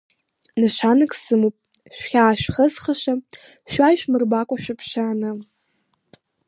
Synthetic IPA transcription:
naʃʷanɨkʼsɨmupʼʃᶣχʲaːʃᶣχəzχaʃa | ʃᶣʷajʃᶣmɨrbakʷʼaʃᶣapʰʂaːnɨ

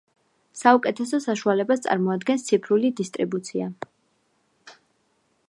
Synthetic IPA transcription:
saukʼɛt̪ʰɛsɔsaʃualɛbast̪sʼa̰ɾmɔad̪ɡɛnst̪sʰipʰɾulid̪ist̪ʼɾibut̪sʰia

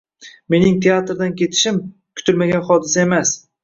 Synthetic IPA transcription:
me̞nɪŋt̪ʰeat̪ɾd̪ankʲʰe̞t̪ʰɪ̥ʃɪm | kʲʰʊ̥t̪ʰɪlmaɡʲanχɒd̪ɪsae̞mas

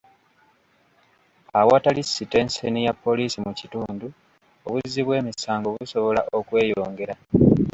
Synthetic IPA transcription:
awatalisːite̞nsenijapːo̞liːsimucituːndu | o̰βuzːiβwe̞ːmisaːŋɡoβuso̞βo̞la̰ʔo̞kwe̞ːjo̞ːŋɡe̞ɾa

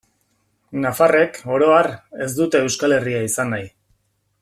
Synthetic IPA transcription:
nafare̞ko̞ɾo̞are̞zd̪ut̪e̞ːwskale̞riaisanːaj

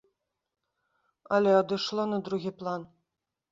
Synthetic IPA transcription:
alʲead̪ɨʂlˠɤnɨd̪ɾuɣʲiplˠan

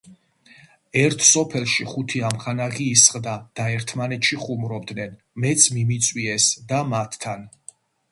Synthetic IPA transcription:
ɛɾt̪ʰsɔpʰɛlˠʃiχut̪ʰiamχanaʁiːsχʼd̪ad̪̥aɛɾt̪ʰmanɛt̪ʃiχumɾɔbd̪nɛn | mɛt̪sʰmimit̪sʼwiɛsd̪amat̪ʰːan

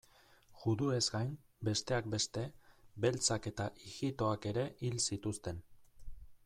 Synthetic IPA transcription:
ʝuðue̞zɡajm | be̞st̪e̞ak̚be̞st̪e̞be̞lt͡sake̞t̪aʔiɣit̪o̞ake̞ɾe̞ʔilsit̪ust̪e̞n

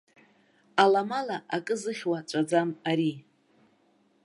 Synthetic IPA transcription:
alamalaʔakʼɨzɨχʲwat͡ʃʷʼad͡zamaɾi

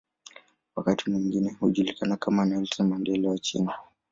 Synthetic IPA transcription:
wakatimwiŋɡinɛhuʄulikanakamanɛltamandɛlɛwat͡ʃḭna

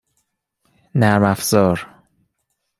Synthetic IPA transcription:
næɾmæfz̥ɒːɾ

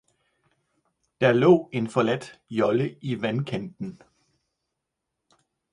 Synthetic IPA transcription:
d̥ɑlɔ̰̽ːe̝nfɒlæd̥jɒ̽ləʔiʋænkʰænd̥n̩

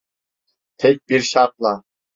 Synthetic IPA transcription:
t̪ʰɛk̚ʲb̥iɾʃɑq̚lˠɑ

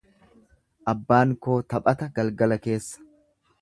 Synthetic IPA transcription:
ʔɐbːaːŋko̞ːt̪ɐpʼɐt̪ɐɡɐlɡɐlɐke̞ːsːɐ̥

